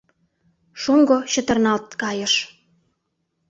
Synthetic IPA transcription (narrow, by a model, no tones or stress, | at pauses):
ʃoŋɡoɕə̆t̪ə̆rnɑlt̪̚kɑjə̆ʃ